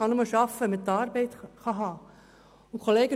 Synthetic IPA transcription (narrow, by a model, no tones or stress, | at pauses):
ɑnoməʃɑfːəɛmət̪ɑːɾbɛɪt̪χɑɦɑː | ʊkʰoleːɡə